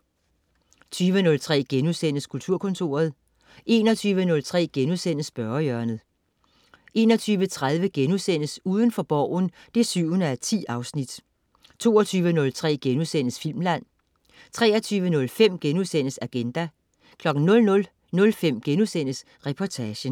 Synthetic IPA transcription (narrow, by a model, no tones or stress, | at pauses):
t͡sʰyːʋənɔ̽lt͡sʰʁɛ̰ːɡ̥enusenəskʰult͡sʰuɐ̰kʰɔ̽nt͡sʰo̝̰ːɐð̞ˠ | ʔe̝ːnɒt͡sʰyːʋənɔ̽lt͡sʰʁɛ̰ːɡ̥enuðˠsen̰əsb̥ɶɐɐjœɐnð̩ˠ | ʔe̝̰ːnɒ̽t͡sʰyːʋət͡sʰʁað̞ˠʋəɡ̥enuðˠsen̰əsuːð̞ˠənfɒ̽b̥ɒʊ̰n̩d̥e̝syʊ̰ənəæt͡sʰḭːɑ̈ʊsnid̥ | t͡sʰo̝̰ːɐt͡sʰyːʋənɔ̽lt͡sʰʁɛ̰ːɡ̥enusen̰əsfil̰mlæn̰ | t͡sʰʁɛ̰ːɐt͡sʰyːʋənɔ̽lfem̰ɡ̥enuðˠsen̰əsæɡ̥end̥æ | kʰlɒ̽ɡ̥n̩nɔ̽lnɔl | nɔ̽lfem̰ɡ̥enuðˠsen̰əs | ʁɛpʰɒt͡sʰæɕə